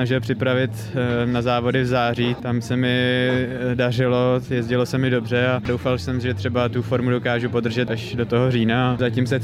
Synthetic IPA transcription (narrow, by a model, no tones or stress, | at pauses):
naʒɪlpr̝̥ɪpɾavɪt̪nazaːvo̞dɪvzaːriːt̪amsɛmɪ | darɪlo̞jɛzɟɪlo̞sɛmɪdo̞br̝ɛado̞wfalsɛmʒɛt̪r̝̥ɛbat̪ufo̞ɾmudo̞kaːʒupo̞d̪r̩ʒɛt̪aʒdo̞t̪oɦoriːnazacimsɛ